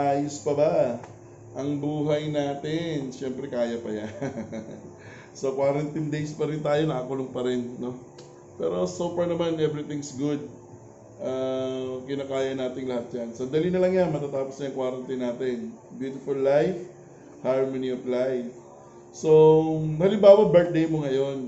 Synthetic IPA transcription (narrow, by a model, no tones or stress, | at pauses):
ʔaːjospɐbɐ | ʔɐŋbuːɦɐjnaːt̪ɪnʃɛmpɾɛkaːjɐpɐja | so̞kwaːɾɐnt̪ind̪ejspɐɾɪnt̪aːjo̞nɐʔakʊloŋpɐɾɛnno̞ | pɛ̰ːɾo̞sopɛɹnɐmanʔɛvɾɪt̪ɪ̃ŋsɡud̪̚ | ʔakɪnaːkaːjɐnaːt̪ɪŋlɐhat̪̚d͡ʒansɐnd̪ɐlinɐlɐŋjanmɐt̪aːt̪aːposnɐjɐŋkwaːɾɐnt̪inːaːt̪ɪn | bjuːt̪ɪfʊlːajf | haɹmonioflajf | so̞hɐlɪmbaːwɐbɛɹt̪̚d̪ejmoŋɐjo̞n